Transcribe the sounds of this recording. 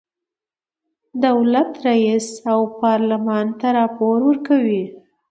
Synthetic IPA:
d̪awlat̪ɾaisawpɑɾlamɑnt̪aɾɑpoɾwəɾkawi

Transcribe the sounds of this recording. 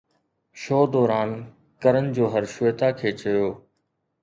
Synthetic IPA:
ʃoːd̪ɔːɾaːn | kəɾənɪ̆d͡ʑoːɦəɾʃʊeːt̪akʰeːt͡ɕɐjoː

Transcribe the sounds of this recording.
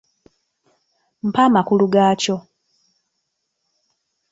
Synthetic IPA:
m̩pamakuluɡaːco̞

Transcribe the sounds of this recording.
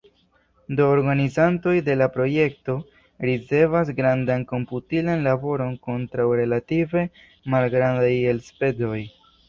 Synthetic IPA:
do̞ːɾɡanizanto̞jde̞lapɾo̞je̞k̚to̞ | ɾit͡se̞vasɡɾandanko̞mputilanlabo̞ɾo̞nko̞ntɾawɾe̞lative̞ | malɡɾandaje̞lspe̞do̞j

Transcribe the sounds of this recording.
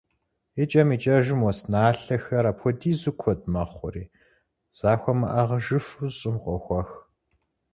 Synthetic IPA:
it͡ʃʼɐmiːt͡ʃʼɐʒɪmwɔsnaːɬɐxɐɾaːpʰɔdiːzɨkʷʰɔd̚mɐχʷʊriː | z̥aːxʷɔmɐ̰ʔɐʁɐʒɨfuzɕʼɪmqʷʼɔxʷɔx

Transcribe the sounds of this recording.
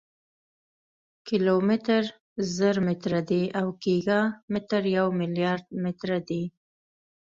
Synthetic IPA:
kɪlomɪt̪əɾ | zəɾmɪt̪ɾad̪eawkiɡamɪt̪əɾjawmɪljɑɾd̪̚mɪt̪ɾad̪e

